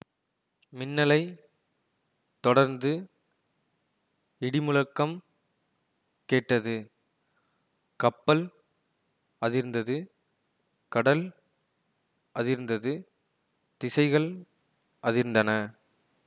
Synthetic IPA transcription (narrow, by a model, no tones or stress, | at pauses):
mɪnːɐlɐɪ | t̪ɔɽɐɾnd̪ɯ | ɪɽɪmʊlɐkːɐm | keːʈːɐðɯ | kɐpːɐl | ɐðɪɾɯnd̪ɐðɯ | kɐɽɐl | ɐðɪɾɯnd̪ɐðɯ | t̪ɪsɐɪɣɐɭ | ʔɐðɪɾɯnd̪ɐnɐ